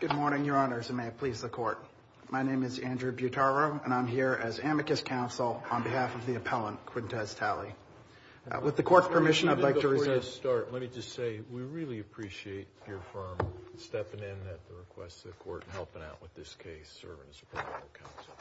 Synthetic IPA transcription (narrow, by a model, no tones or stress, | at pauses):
ɡ̥ʊd̚mɔɹñɪ̃ŋjə˞ɑnə˞zɨ̃nmeɪpʰl̥izðɨkʰɔɹt̚ | maɪñẽɪ̃mɨzæ̃ndɹʉbjʉtʰɑɹɹoʊɨ̃ñãɪ̃mɦiɹɨzæmɨkɨskʰãʊ̃nsl̩ˠə̃nbɨhæfʌvðiɨpʰɛlˠə̃nkʰw̥ɪ̃ntʰɛstʰælˠi | wɨðɨkʰɔɹtpʰə˞mɪʃɨ̃naɪdlaɪtʰɨɹɨtɑɹtlɛt̚mid͡ʒʌstseɪwiɹɪlˠiɨpʰɹ̥iʃieɪt͡ʃə˞fɜ̃˞mstɛpɪ̃ŋɪ̃nɨt̪̚ðəɹɨkʰw̥ɛ̰stʰʌðɨkʰɔ̰ɹɾn̩hɛlˠpɨ̃na̰ʊʔwɨðɪskʰeɪsɜ̰˞vɪ̃ŋɨzəpʰɹ̥ɑ̰̃ɨ̰kʰã̰ʊ̃nsl̩ˠ